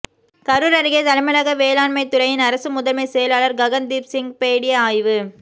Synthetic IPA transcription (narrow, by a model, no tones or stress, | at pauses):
kɐɾɯɾɐɾɪɣet̪ɐlɐmɐlɐɣɐʋeːlaːnmɐɪt̪ːʊɾɐjɪnɐɾɐsɯmʊðɐmesɛjɐlaːɭɐɾɡɐɣɐnd̪iːpsɪŋɡpeːɽɪjɐaːjʋɯ